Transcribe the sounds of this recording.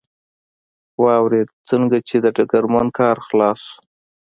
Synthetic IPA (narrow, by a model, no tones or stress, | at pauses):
wɑwɾed̪̚t͡səŋɡat͡ʃed̪əʈaɡaɾmankʰɑɾxlɑsu̥